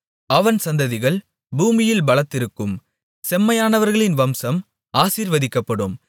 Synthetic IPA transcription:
ɐʋɐnsɐnd̪ɐðɪɣɐɭ | buːmɪjɪlbɐɭɐt̪ːɪɾɯkːɯm | sɛmːɐjaːnɐʋɐɾɣɐɭɪnʋɐmsɐm | aːsiːɾʋɐðɪkːɐpːɐɽɯm

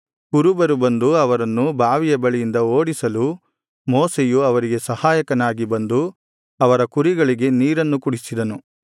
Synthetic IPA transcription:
kuɾubɐɾubɐnd̪uɐʋɐɾɐnːubʱaːʋijɐbɐɭijind̪ɐoːɽisɐlu | moːsejuɐʋɐɾiɡe̞sɐhaːjɐkɐnaːɡibɐnd̪u | ɐʋɐɾɐkuɾiɡɐɭiɡe̞niːɾɐnːukuɽisid̪ɐnu

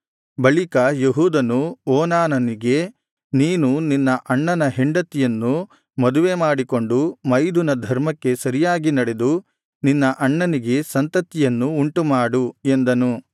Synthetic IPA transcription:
bɐɭikɐjeɦuːd̪ɐnuɔːnaːnɐniɡe̞ | niːnuninːɐʔɐɳːɐnɐɦeɳɖɐt̪ːijɐnːu | mɐd̪uʋemaːɽiko̞ɳɖumɐjd̪unɐd̪ʱɐɾmɐkːe̞sɐɾijaːɡinɐɽe̞d̪u | ninːɐʔɐɳːɐniɡe̞sɐnt̪ɐt̪ːijɐnːuːɳʈumaːɽue̞nd̪ɐnu

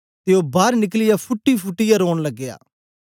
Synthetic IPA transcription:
t̪eːoːbaːɾnɪklɪjaːpʰʊʈːiːpʰʊʈːijaːɾoːɳləɡːɪja̰ː

